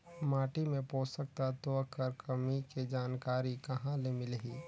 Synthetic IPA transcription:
maːʈimẽpoːsək̚t̪at̪okəɾkɐmiked͡ʒaːnkaːɾikɐɦãlemɪlɦiː

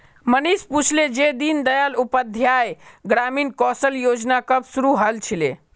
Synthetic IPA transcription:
mənisput͡ʃʰled͡ʒed̪ind̪əjalupəd̪ʱjajɡɾaminkɔsəljod͡ʒnakəbsuɾuɦəlt͡ʃʰile

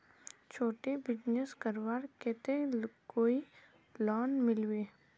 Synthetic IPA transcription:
t͡ʃʰoːʈebɪd͡ʒneskəɾʋaːɾkɛt̪ekoːi | lɔːnmɪlweː

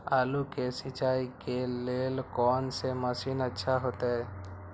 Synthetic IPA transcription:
aːlukesɪt͡ʃaːikeleːlkɔːnseməsinətːʃʰaɦoːt̪eɦɛː

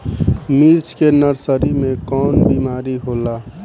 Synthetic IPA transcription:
miɾt͡ʃʰkenəɾsəɾimẽkɔːnbiːmaːɾiɦolaː

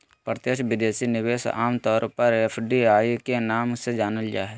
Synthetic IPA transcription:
pɾət̪jeʃʋɪd̪eːsinɪʋeːsa̰ːmt̪ɔːɾpɐɾepʰɖiaːikenaːmsed͡ʒaːnəld͡ʒaːɦɛ

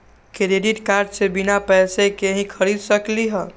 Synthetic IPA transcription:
kɾeɖiʈkaɾɖsebinapɛsekeɦĩkʰəɾid̪səkliɦɛ̃

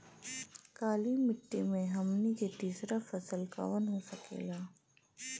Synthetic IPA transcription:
kaːlimɪʈːimẽɦɐmniket̪iːsɾafɐsəlka̰ːʋənɦosɐkḛːɡaː

